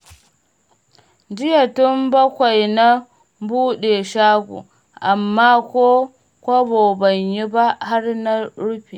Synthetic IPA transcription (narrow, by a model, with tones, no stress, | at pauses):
d͡ʒɪ˦ja˨tʊ˦mbɐ˦kʷa˨jna˦ | buː˦ɗe˨ʃaː˦ɡʷṵ˨ | ʔa˨mːaː˦kʷoː˦ | kʷa˦bo˨bɐ˨ɲji˦ba˦ha˦ɾna˦ɽu˦ɸi˨